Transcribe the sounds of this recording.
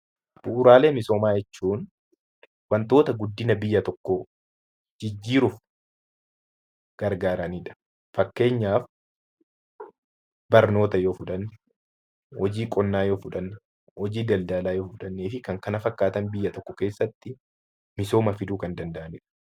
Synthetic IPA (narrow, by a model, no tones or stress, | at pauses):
b̥ʊʔʊɾaːle̞ːmɪso̞ːmaːjɛt͡ʃːuːn | wɐnt̪o̞ːt̪ɐɡʊd̪ːɪnɐbɪjːɐt̪ɔkːɔ | d͡ʒɪd͡ʒːiːɾʊf | ɡ̥ɐɾɡaːɾɐnɪᶑɐ̥ | fɐkːe̞ːɲːaːf | bɐɾno̞ːt̪ɐjo̞ːfʊᶑɐnː | hɔd͡ʒiːkʼɔnːaːjo̞ːfʊᶑɐnː | hɔd͡ʒiːd̪ɐld̪aːlaːjo̞ːfʊᶑɐnːeːfɪkɐŋkɐnɐfɐkːaːt̪ɐnbɪjːɐt̪ɔkːɔke̞ːsːɐt̪ːɪ | mɪso̞ːmɐfɪd̪uːkɐnd̪ɐnd̪ɐʔɐnɪᶑɐ̥